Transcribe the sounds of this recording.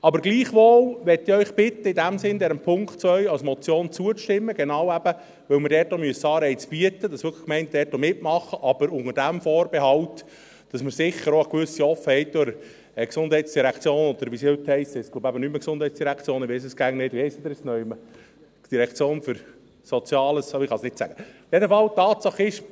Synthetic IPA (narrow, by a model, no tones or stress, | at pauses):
ɑbəɾɡliːχʋoːlʋɛt̪ːɪœʏχb̥ɪt̪ːəɪdæmsɪnd̪ɛɾəmpʰʊŋktt͡sʋœʏɑlsmɔt͡sjoːnt͡suəʃtɪmːəɡɛnɑwæb̥ə | ʋɵlməɾdɛːtomyəsɑːɾɛɪt͡sb̥iət̪ːəd̥̪ɑsʋʏkʰə̥kmɛɪnt̚d̥ɛːtːomɪtmɑχəʔɑb̥əɾʊŋəɾd̥æmfɔːɾbɛɦɑwt | d̥ɑsməɾsɪχəɾoəkʋʏsiɔfəhɛɪt̚d̥ʊɾ | ɛksʊnd̥̪ɦɛɪtt͡ssd̥iɾækt͡sjoːnɔd̪əɾʋisihʏt̪hɛɪshɛɪsklobæbənyməksʊndhɛjt͡ssd̥iɾækʰt͡sjoːnɪʋɛɪsəsɡ̥æːŋnɪdʋihɛɪst̪ʊd̥̪ɪɾɛsnœʏmə | d̥iɾɛkʰt͡sjoːnføɾ | sɔt͡sjɑːləsɑɪχɑsnɪt̪sæ̰ɡ̥əjɛdəfɑlt̪ɑːt̪sɑχɪʃ